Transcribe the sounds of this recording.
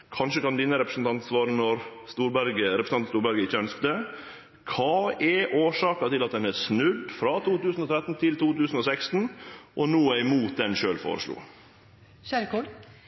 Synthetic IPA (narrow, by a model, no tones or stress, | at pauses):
kʰɑnʃəkɑnd̪ɪnəɾɛpɾəsnt̪ʰɑnt̪sʋɑːɾənɔɾst̪uːɾbæɾɡəɾɛpɾsnɑnst̪uːɾbæɾɡəɪçːəœnskt̪ə | kʰɑːɛʔoːʂɑːkɑt̪ɪlɑt̪̚d̪ɛnæɾsnʉd̪fɾɑt̪ʰuːt̪ʉːsn̩ɔt̪ʰɾɛt̪nt̪ʰɪlt̪uːt̪ʉːsn̩ɔsɛkst̪n̩ʔɔnuːæɪmuːt̪̚d̪ɛnʃø̰ːlfo̰ːɾə̰ʂlṵː | ʃæɾkɔ